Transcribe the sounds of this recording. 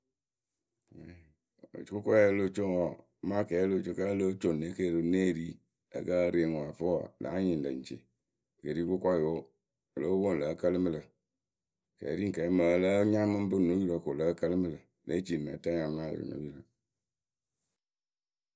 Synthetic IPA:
t͡ʃko˦kɔ˦lo˦˨t͡ʃo˦˨ŋ˨ɔ˨˦ | ma˦˨kɛ˨˦lo˦˨t͡ʃo˧˦ka˦lo˦t͡ʃo˨n˨ne˦ke˦˨ɾo˨˦ne˦˨ɾi˦ | ə̰˨ka˦ɾe˨ŋ˨wa˨fə˦ɔ̰˨la̰˨˦ɲi˨n˨lə̰˨n˨t͡ʃḛ˨ | ke˨ɾi˦ko˦kʷa˦jo˦˨ | lo˦wo˦n˨lə˨˦kə˦lɨ˦mə˦˧lə˨ | kɛ̰˨ɾi˦ŋ˨kɛ˨˦mə˨˦˨lə˦ɲa˦mɨ˦m˦bɨ˦˨no˨˦i˦ɾo˨ko˨lə˦kə˦lɨ˦mɨ˦lə˨lḛ˦t͡ʃi˨n˨ma̰˨˦ta˦ɲa˨˦a˦˨j̰no̰˨˦ji˦ɾo˨

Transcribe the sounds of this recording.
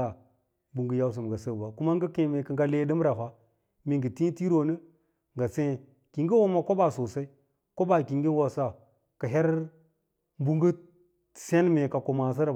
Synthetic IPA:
a˨ | bu˨ŋɡə˦ja˦ws̬ə˨m˨ɡa˨sə˦˨ba˨ku˦ma˦ŋɡə˦kẽ˨me˨kə˨ŋɡa˦le˦di˦m˦ɾa˨ɦʷa˦ | mi˨ŋɡə˨ti˦ti˦ɾo˨nə˦ | ŋɡa˨sẽ˦˨ | ki˨ŋɡi˦wo˦ma˨ko˦ba˨so˨sa˦i˦ | ko˦ba˨ki˨ŋɡi˦n˦wo˨sa˦ | ka˨ɦe˦ɾ | bu˦ŋɡə˦˨ | se˦nme˨ka˨ko˨ma˨s̬i˦ɾ

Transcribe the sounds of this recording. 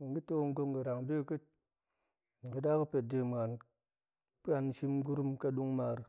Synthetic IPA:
ŋ̩˨ɡi˦to˦˧˦ŋ̩˦ɡo˧ŋɡɨ˨ɾa˨ŋde˦kɨ˦t̚ | ŋ˨kɨ˧da˦kɨ˦pe˨t̚de˨m˨a˨n | pa˧n˦ʃi˧m˦ɡu˦ɾu˦mka˧ɗu˦ŋma˧ɾ

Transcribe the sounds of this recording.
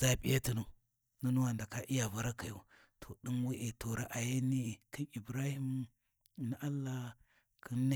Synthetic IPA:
za˦˨pʼi˦ja˦ti˨nu˨ | nu˦nu˦wa˨nda˨ka˦ʔi˦ja˨va˦ɾa˦ka˨jo˦ | tʰo˨ɗi˦n˦wi˦ʔe˨to˨ɾa˨ʔa˨ja˦ni˦˨ki˦i˨bɾa˦hi˦m˨ | na˦ʔa˦lːa˦ | kʰi˦nː˦a˦

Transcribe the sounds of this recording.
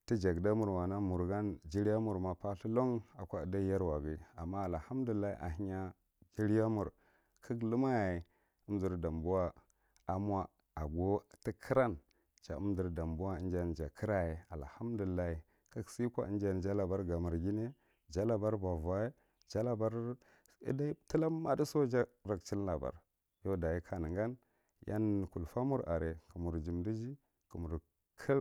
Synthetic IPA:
ti˦d͡ʒa˨ɡda˦mu˨ɾwa˨na˦mu˨ɾɡa˦nd͡ʒi˦ɾa˦mu˨ɾma˨pa˦ɬi˦lo˦ŋa˨kʷa˦˨da˦ja˦ɾwa˨ɡi˦a˨mːa˦a˨lha˦m˦du˨i˨lːa˦ḭ˦ʔa̰˨ɦi˦ɲa˦ | ɡi˦ɾja˦mu˨ɾ | kʰi˦klu˦ma˦je˨ | ə˦m˦zi˨ɾda˨mbu˦wa˦ | a˨mʷ˦a˦ | a˨ɡo˦ti˦kʰi˦ɾa˦n | t͡ʃa̰˨ṵ˦m˦di˨ɾda˨mbu˦wa˦i˦n˦d͡ʒa˨nd͡ʒa˨kʰə˦ɾa˦je˨a̰˨lha˦m˦du˨i˨lːa˦hi˨ | ka˦ksi˦kʷa̰˨ə̰˦nd͡ʒa˨n˨d͡ʒa˦la˨ba˦ɾɡa˨mu˨ɾɡʲi˦ne˦ | d͡ʒa˦la˨ba˦ɾba˨va˦je˦ | d͡ʒa˦la˨ba˦ɾ | ḭ˦da˦ti˦la˦ma˦di˦so˦d͡ʒa˦ | ɾa˨kt͡ʃi˦lla˨ba̰˨ɾ | jo˦da˨ji˦kʰa˨nə˨ɡa˦n | ja̰˦n˨ku˨lfa˦mu˦ɾa̰˨ɾe˨kə˨mu˨ɾd͡ʒi˨mdi˦d͡ʒi˦ | ku˨mu˨ɾ | kʰə˦

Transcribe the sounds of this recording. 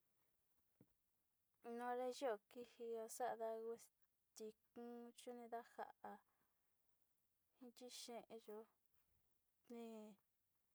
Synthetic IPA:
nõ˧ɾe˧ʒo˦o˨ki˦hi˧o˧sa˦ʔða˧ɣe˧ | t̪i˧kũ˦t͡ʃu˦nĩ˧ða˦ha̰˧ʔʔa˧ | hĩ˧t͡ʃi˦ʃẽ˧ʔẽ˧ʒo˧ | nĩ˧

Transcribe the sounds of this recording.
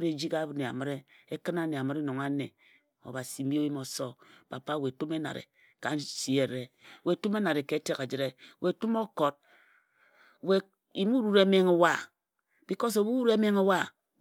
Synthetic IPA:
ɾe˨d͡ʒi˦ka˦bɨ˦ne˨a̰˨mɨ˦ɾe˦e˦kɨ˦na˦ne˨a˨mɨ˦ɾe˦no˨ŋa˦ne˨ | o̰˨ba˨si˨m̩˦bi˦o˦wi˦mo˨so˦pa˨pa˦we˨to˦me˦na̰˨ɾḛ˨ | ka˨˦nsi˨e˨ɾe˦˨we˨to˦me˦na˨ɾe˨ke˨˦te˦ka˨d͡ʒi˨ɾe˦we˨tu˦mo˦ko˨d̚ | we˨ | i˨mu˦ɾu˨ɾe˨˦me˦ŋo˨wa˦˨ | b̥i˨kɔ˦s̬o˨bu˦ɾu˦ɾe˦me˦ŋe˦wa˦

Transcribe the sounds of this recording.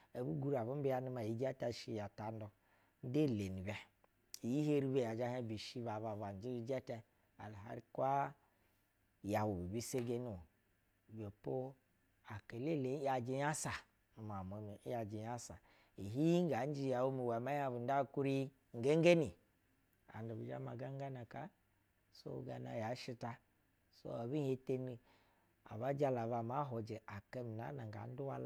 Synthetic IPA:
e˨bu˦ɡu˦ɾa˨βu˦m̩˦bi˦a˨nu˦ma˨ji˨˦d͡ʒɛ˦ta˦˨ʃi˦˨ja˨ta˨n˦dɔ˨ | n̩˦de˦˨le˨ni˨bɛ˨ | i˨ji˦he˦ɾi˦be˦˨ja˨d͡ʒa˦hɛ˦bi˨ʃi˦ba˨βa˨ba˨n˨˦d͡ʒi˦i˦d͡ʒɛ˦tɛ˦ | a̰˨lɦa̰˦ɾi˦kʷa˦ | ja˨wu˨bi˨bi˦se˦ɡe˦ni˨ | be˨po˦ | a˨ke˨le˦˨le˨˦ja˨d͡ʒi˧ja˦sa˨ | nu˨ma˨m˨o˨mi˨˦ja˨d͡ʒi˨ja˦sa˨ | i˨ɦi˦i˦ŋ˦a˨˦n˦d͡ʒi˦˨ja˨wu˦mi˨wa˨ma˦ja˦bi˨nda˦ku˦ɾi˦ | ŋ̩˨ɡe˦ŋ˦ɡe˦ni˨ | a̰˨ndu˨bi˨d͡ʒa̰˦ma˨ɡa˦ŋ˦ɡa˦na˨ka˦ | so̰˦˨ɡa˨na˨ja˨˦ʃi˧ta˧ | so̰˦a˨bi˦je˦te˦ni˦ | a̰˨βa˦d͡ʒa˦la˨va˨ma˦ɦo˨d͡ʒe˨ʔa˨ke˦mi˨na˨˦na˨ŋ˨ɡa̰˨˦n̩˦du˦wa˦l

